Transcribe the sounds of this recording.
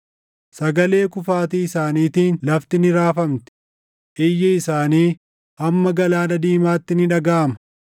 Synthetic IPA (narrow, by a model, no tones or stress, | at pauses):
sɐɡɐle̞ːkʊfaːt̪iːɪsaːniːt̪iːnlɐft̪ɪnɪɾaːfɐmt̪ɪ̥ | ʔɪjːɛɪsaːniː | ʔɐmːɐɡɐlaːnɐd̪iːmaːt̪ːɪnɪᶑɐɡaːʔɐmɐ̥